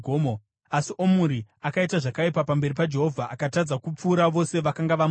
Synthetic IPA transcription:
omo | asiʔo̞muɾiakaitaʐakaipapambe̞ɾipad͡ʒe̞ɦo̞vʱaʔakatad͡zakup͡fuːɾaʋo̞se̞ʋakaŋɡaʋam

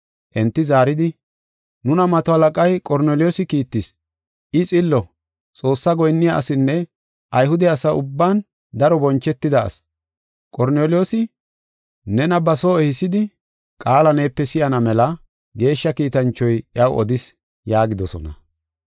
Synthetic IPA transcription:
ʔɛnt̪ːɪzaːɾɪd̪ɪ | nʊnɐmɐt̪ɔhɐlɐkʼɐjkʼɔɾneːlɪjoːsɪkiːt̪ːɪs | ɪt͡sʼɪlːɔ | t͡sʼo̞ːsːɐɡɔjnːɪjaʔɐsɪnːɛ | ʔɐjɦʊd̪ɛɐsɐʊbːaːn | d̪ɐɾɔbɔnt͡ʃːɛt̪ːɪd̪ɐ̰ːs | kʼɔɾneːlɪjo̞ːsɪ | nɛnɐbɐsoːɛhɪsːɪd̪ɪ | kʼaːlɐneːpːɛsɪjɐnɐmɛlɐ | ɡe̞ːʃːɐkiːt̪ɐnt͡ʃːɔjʔɪɐwʔɔ̰d̪ɪs | jaːɡɪd̪ɔsɔ̰nɐ̰

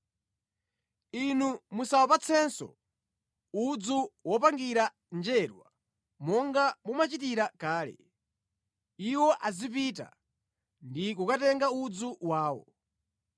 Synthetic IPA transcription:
inumusawɔpat͡sʰɛnsɔ̰ | ud͡zuwɔpaŋɡiɾa | nd͡ʒɛɾwa̰ | mɔŋɡamumat͡ʃitiɾakaːlɛ̰ | iwɔʔazip̬it̬a̰ | ndik̬ukatɛŋɡaud͡zuwaːwɔ̰

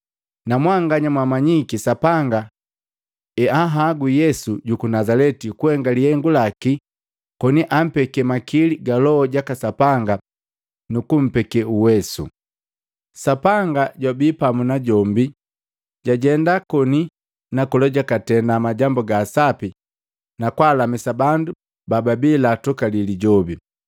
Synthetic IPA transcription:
namwaŋɡaɲamwamaɲikisapaŋɡa | ɛaɦaɡujɛsuɟukunazalɛtikuhɛŋɡalihɛŋɡulaki | kɔniʔam̩pɛkɛmakiliɡalɔɔɟakasapaŋɡa | nukum̩pɛkɛuwɛsṵ | sapaŋɡaɟwabipamunaɟɔmbi | ɟaɟɛndakɔni | nakɔlɔɟakatɛndamaɟambɔɡaːsapi | nakwaːlamisabandu | bababilatɔkaliliɟɔbi

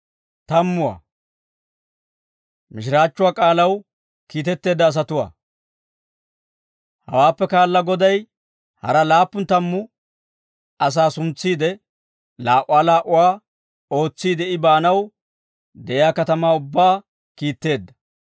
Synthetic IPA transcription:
t̪ɐmːʊwa̰ː | mɪʃɪɾaːt͡ʃːʊwaːkʼaːlɐw | kiːt̪ɛt̪ːe̞ːd̪ːɐːs̬ɐt̪ʊwa̰ː | hɐ̰waːpːɛkaːlːɐɡɔd̪ɐj | hɐ̰ɾɐlaːpːʊnt̪ɐmːʊ | ɐs̬aːsʊnt͡sːiːd̪ɛ | laːʔʊwaːlaːʔʊwaː | o̞ːt͡sːiːd̪ɛɪbaːnɐw | d̪ɛʔɪjaːkɐt̪ɐmaːʊbːaː | kiːt̪ːe̞ːd̪ːɐ̥

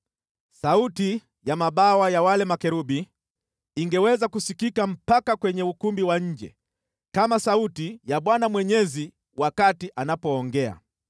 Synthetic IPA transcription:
sauti | jamaɓawajawalɛmakɛɾuɓi | iŋɡɛwɛzakusikikam̩pakakwɛɲɛukumbiwaɲ̩d͡ʒɛ̰ | kamasautijaɓwanamwɛɲɛzi | wakatiʔanapɔːŋɡɛa̰

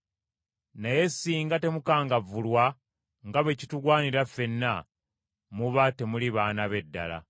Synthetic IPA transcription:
naje̞sːiːŋɡate̞mukaːŋɡavulwa | ŋɡaβe̞cituɡwaːniɾafːe̞nːa | muβate̞muliβaːnaβe̞dːa̰la̰

